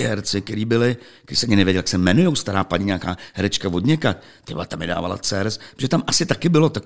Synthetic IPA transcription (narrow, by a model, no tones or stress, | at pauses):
ɪɦɛɾt͡sɪk̚t̪ɛɾiːbɪlɪk̪ɛɾiːsɛʔaɲɪnɛvjɛɟɛljaksɛmɛnujowst̪aɾaːpaɲɪɲaːkaːhɛɾɛt͡ʃkavo̞dɲɛkat̪ | t̪ɪba̰t̪amɪda̰ːva̰la̰t͡sɛːɾɛsɾʒɛt̪amʔasɪt̪akɪbɪlot̪ak